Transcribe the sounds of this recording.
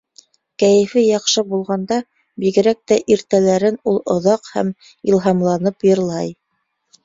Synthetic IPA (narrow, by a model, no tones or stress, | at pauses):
kæjɘ̆fɘjɑqʃɤbulˠʁɑnd̪ɑ | biɡɘ̆ɾæk̚t̪æʔiɾt̪ælæɾɘnulˠŏðɑqhæ̰m | ilˠɦɑmlˠɑnɤpjɤ̆ɾlˠɑj